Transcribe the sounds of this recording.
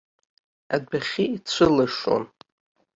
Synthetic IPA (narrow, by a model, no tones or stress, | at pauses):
adaχʲiit͡sʷʰɨlaʂo̰n